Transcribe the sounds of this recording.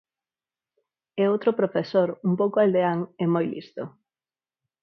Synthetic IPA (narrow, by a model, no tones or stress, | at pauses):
ɛowt̪ɾopɾofesoɾumpowkoald̪eaŋemojlḭst̪o